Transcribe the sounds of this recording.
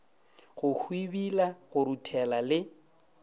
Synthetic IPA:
ɣʊhʰwibilaɣʊɾutʰɛlalɪ

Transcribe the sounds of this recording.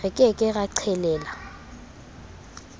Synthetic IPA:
ɪkʼɪkʼɪɣaǀʰɛlɛːla

